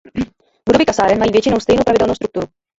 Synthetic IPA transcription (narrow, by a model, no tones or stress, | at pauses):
bud̪obikasaːɾɛnmaiveːt͡ʃinowst̪ejnupɾavid̪olnost̪ɾukt̪uːɾu